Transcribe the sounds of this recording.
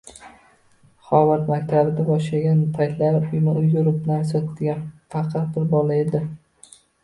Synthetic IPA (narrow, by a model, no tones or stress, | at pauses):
χɒvat̪makʲt̪ʰabɪd̪abɒʃlaɡʲanpʰajt̪ʰlaɾʊjmɪʊjɡʊɾɪpnaɾsɒt̪d̪ɪɡʲanfɑqʰɑt̪̚bɪɾbɒlae̞d̪ɪ